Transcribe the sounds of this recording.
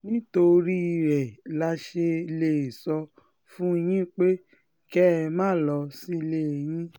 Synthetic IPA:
nĩ˦to˧ɾi˦i˧ɾɛ˨la˧ʃe˧i˧le˦˨e˨sɔ˧ | fũ˦˧j̃ĩ˦k͡pe˦ | kɛ˦˧mãː˦˨lɔ˧si˦˧le˦˨j̃ĩ˦

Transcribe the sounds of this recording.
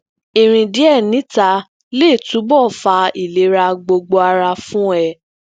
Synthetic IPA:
i˨ɾ̃ĩ˧di˨˦ɛ˦˨nĩ˨˦ta˧ | le˦˨tũ˨˦bɔ˦˨fa˧i˨le˨˦ɾa˧ɡ͡bo˧ɡ͡bo˧a˧ɾa˧fũ˦ɛ˦˨

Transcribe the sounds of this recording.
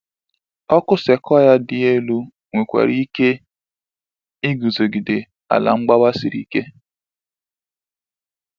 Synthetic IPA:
ɔ˦kʊ˦se˨kɔ˦ja˦dɪ˨e˦lu˦ | ŋʷe˨kʷḛ˨ɾi˦ke˦ | i˦ɡu˨zo˨ɡi˨dɪ˨ | a̰˨la̰˨ŋ͡m̩˦ɡ͡ba˦ba˦si˨ɾḭ˨ke˦

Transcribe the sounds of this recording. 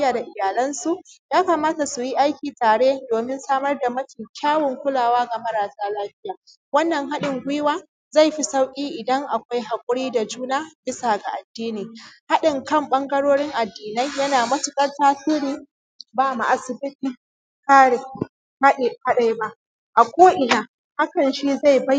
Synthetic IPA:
jaː˨da˨ʔɪ˨jaː˨lɐ˦nsu˨ʔjaː˦kɐ˨maː˦ta˨su˨ji˦ʔa˦jkʲiː˨taː˨ɽeː˦doː˨mɪ˦nsaː˦mɐ˦rda˨mɐ˦tʲɪ˨ŋkʲaː˦wɔ˨ŋkʷʊ˦laː˨waː˦ɡa˨mɐ˦ɾaː˨saː˦laː˦ɸɪ˦jaː˨ | wɐ˦nːɐ˨ŋɦa˦ɗɪ˨ŋɡʷʊ˦waː˦ | za˦˨jɸi˦sa˦wkʲʼiː˦ʔɪ˨dɐ˦ŋʔa˨kʷa˦jɦa˨kʷʼʊ˦ɽiː˦da˨d͡ʒuː˦naː˦bɪ˦saː˨ɡa˨ʔa˨dːiː˦niː˨ha˦ɗɪ˨ŋkɐ˦˨mɓɐ˦ŋɡɐ˦ɽoː˦ɽɪ˦ŋʔa˨dːiː˨na˦jjɐ˦naː˨mɐ˦sɪ˨kʼɐ˦rtaː˦siː˦ɾiː˦ | baː˦˨ma˨ʔa˨sɪ˨bɪ˦tiː˨ | kaː˦ɽe˨ | ha˦ɗe˨ha˦ɗa˦jba˦ʔ | ʔa˨kʷoː˦ʔɪ˨naː˨ | ha˦kɐ˨nʃi˦za˦˨jba˦j

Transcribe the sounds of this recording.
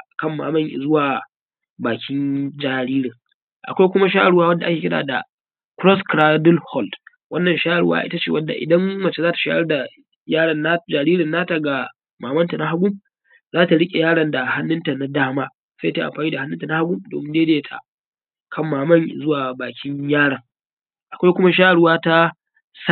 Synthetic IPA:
ʔkɐ˦˨mːa̰ː˨mɐ˦ŋʔɪ̰˨zʊ˦waː˨ | baː˨kʲɪ˦nd͡ʒaː˨ɾiː˦ɾɪ˨ŋ | ʔa̰˨kʷa˦jkʷʊ˦ma˦ʃ̬aː˦ʔɽʊ˦waː˦wɐ˦nda˨ʔa˦kʲeː˨kʲɪ˦ɽa̰ː˨da̰˨ | kɾɔ˦skɾaː˦dʊ˦lhɔ˦˨ld | wɐ˦nːɐ˨nʃaː˦ʔɽwa̰ː˦ʔɪ˦ta˦t͡ʃeː˦˨wɐ˦dːa̰˨ʔɪ̰˨dɐ˦mmɐ˨t͡ʃe˦zaː˦ta˨ʃa̰ː˦ʔɐ˦rda˨ | jaː˦ɽɐ˨nːa˦d͡ʒaː˨ɾiː˦ɾɪ˨nːaː˦ta˨ɡa˨ | maː˨mɐ˦nta˨na˦ɦa˦ɡʷʊ˦m | zaː˦ta˨ɽɪ˦kʲʼe˨jaː˦ɽɐ˨nda˨ha˦nːʊ˦nta˨na˦daː˦maː˦ | sa˦ja˦ta˦ʔa̰˨mɸaː˨niː˦da˨ha˦nːʊ˦nta˨na˦ha˦ɡʷʊ˦mdo̰˨mɪ˦nde˦deː˦tʰa̰˨ | kʰɐ˦mːaː˨mɐ˦ŋzʊ˦waː˨baː˨kʲɪ˦ɲjaː˦ɽɐ˨ŋ | ʔa˨kʷa˦jkʷʊ˦ma˦ʃ̬aː˦ʔɽwaː˦ta˦ | s

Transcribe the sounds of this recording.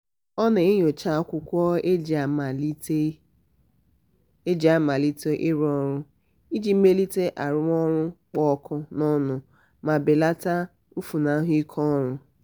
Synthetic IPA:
ɔ˦nɪ˨ɪ˦ɲo˨t͡ʃa˦kʷʊ˦kʷɔ˦e˦d͡ʒa˨ma˨li˦te˦ | e˦d͡ʒa˨ma˨li˦te˦ʔɪ˦ɾɔ˦ɾʊ˦ | i˦d͡ʒi˦m̩˦me˦li˦te˦ʔa˨ɾʊ˦mɔ˦ɾʊ˦k͡pɔ˦kʰʊ˦nɔ˦nʊ˨ | ma˨bɪ˨la˦ta˦ | u˦fu˨na˦ɦʊ˦i˦kʰɔ˦ɾʊ˦

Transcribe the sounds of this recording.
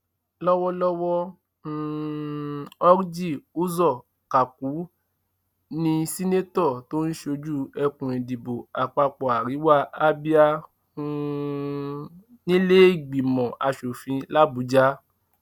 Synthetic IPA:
lɔ˦wɔ˦lɔ˦wɔ˦˨ | ɔ˦ɾd͡ʒi˦˨u˦zɔ˦˨ | ka˨ku˨˦ | nĩ˧si˦ne˦tɔ˦˨to˦n̩˦ʃo˧d͡ʒu˦ɛ˧kũ˨ẽ˨di˨bo˨a˨k͡pa˧k͡pɔ˨a˨ɾi˨˦wa˦˧a˦bi˦a˧ | nĩ˦le˦i˦˨ɡ͡bi˨mɔ̃˨ʔa˧ʃo˨fĩ˧la˦bu˨˦d͡ʒa˦

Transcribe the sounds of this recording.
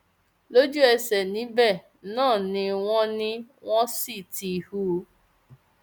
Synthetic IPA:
lo˦d͡ʒu˦ɛ˧sɛ˨nĩ˨˦bɛ˦˨ | nãː˦˨nĩ˧w̃ɔ̃˦nĩ˦w̃ɔ̃˦si˦˨ti˨hu˦˧˦

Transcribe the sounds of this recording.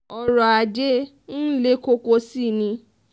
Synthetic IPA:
ɔ˨ɾɔ˨a˨d͡ʒe˦ | n̩˦le˦ko˦ko˧si˦˨nĩ˧

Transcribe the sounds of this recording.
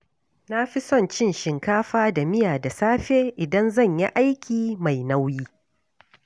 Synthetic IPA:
na˦ɸi˦sɔ˦˨nt͡ʃɪ˦nʃɪ˨ŋkaː˦ɸaː˦da˨mɪ˦jaː˨da˨saː˦ɸeː˦ʔɪ˨dɐ˦nzɐ˦˨ɲjḭ˦ʔa˦jkʲiː˨ma˨jna˦wjiː˦

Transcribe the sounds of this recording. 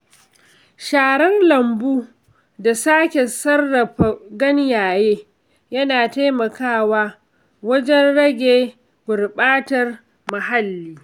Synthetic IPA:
ʃaː˨ɽɐ˦nlɐ˨mbuː˦ | da˨saː˦kʲe˨sɐ˦rːɐ˨ɸa˨ɡɐ˦njaː˨jeː˦ | jɐ˦naː˨ta˦jmɐ˨kaː˦˨waː˦ | wɐ˦d͡ʒɛ˦nɽɐ˦ɡʲeː˨ | ɡʷʊ˨rɓaː˦tɐ˨r | mɐ˨ɦa˦lːiː˦

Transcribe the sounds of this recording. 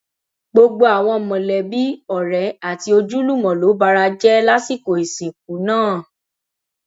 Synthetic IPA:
ɡ͡bo˧ɡ͡bo˧a˨w̃ɔ̃˧˨mɔ̃˨lɛ˨bi˨˦ɔ˦˨ɾɛ˨a˨ti˧o˧d͡ʒu˦lu˦˨mɔ̃˨lo˨˦ba˧ɾa˧d͡ʒɛ˦la˦si˦˨ko˨e˨sĩ˨k̚ũ˨˦nãː˦˨

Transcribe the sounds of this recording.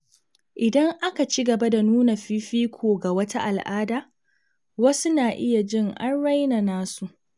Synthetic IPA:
ʔɪ˨dɐ˦ŋʔa˦ka˨t͡ʃi˦ɡɐ˨ba˦da˨nuː˦na˨ɸi˦ɸiː˦kʷʰoː˨ɡa˨wɐ˦ta˦ʔa˨lʔaː˦daː˦˨ | wɐ˦su˦naː˨ʔɪ˦ja˨d͡ʒɪ˦ŋʔa̰˦nɽa˦jna˨naː˦su˨ʔ

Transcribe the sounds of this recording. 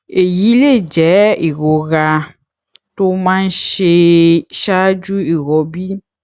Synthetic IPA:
e˨ji˦le˦˨d͡ʒɛ˨˦i˨ɣo˨ɣa˨ | t̪o˦mã˦ʃe˧ʃa˦d͡ʒu˦i˨ɣɔ˨bi˦

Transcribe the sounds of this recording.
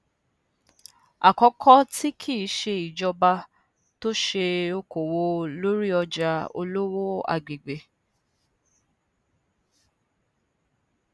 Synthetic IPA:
a˨kɔ˧kʰɔ˦ti˦kʰi˦˨i˦ʃe˧i˨d͡ʒɔ˧ba˧ | to˦ʃe˧o˧ko˨wo˧lo˦ɾi˦ɔ˧d͡ʒa˧o̰˧lo˦wo˦a̰˧ɡ͡be˨ɡ͡be˨

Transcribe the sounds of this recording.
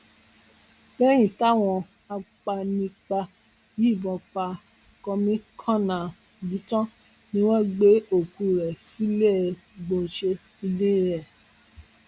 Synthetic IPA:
bɛ˦j̃ĩ˦˨ta˦˨w̃ɔ̃˧ | a˧k͡pa˧nĩ˧k͡pa˧ | ji˦˨bɔ̃˧k͡pa˧ | kɔ˧mĩ˦kʰɔ̃˦˨nã˨ | li˨˦tɔ̃˦ | nĩ˦w̃ɔ̃˦ɡ͡be˦o˨ku˨˧ɾɛ˨si˨˦le˦˨˧ | ɡ͡bo˧˨n̩˨ʃe˧ | i˧le˦ĩ˦ɛ˨

